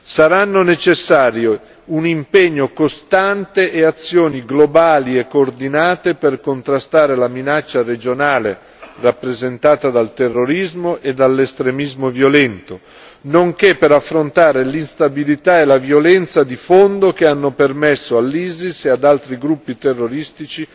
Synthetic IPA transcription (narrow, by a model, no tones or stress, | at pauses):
saɾanːonet͡ʃesːaːɾjo | unimpeɲːokost̪ant̪eʔːat̪sːjoːniɡlobaːliekːoːrd̪inaːt̪eperkont̪ɾast̪aːɾelaminat͡ʃːared͡ʒonaːle | rapːɾezent̪aːt̪ad̪alt̪erːoɾizmoʔed̪alːest̪ɾemizmovjolɛnt̪o | noŋkepːeɾafːɾont̪aːɾelinst̪abilit̪aelavjolɛnt̪sad̪ifond̪okeanːopermesːoalːiːzisead̪alt̪ɾiɡɾupːit̪erːoɾist̪it͡ʃi